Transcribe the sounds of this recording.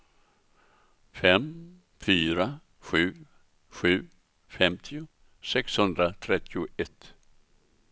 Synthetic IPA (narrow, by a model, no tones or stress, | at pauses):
fɛm | fyːɾa | ɧʉ̟ː | ɧʉ̟ː | fɛmt̪ʰɪʊ | sɛkshɵnd̪ɾat̪ʰɾɛt̪ʰːɪʊʔɛt̪ː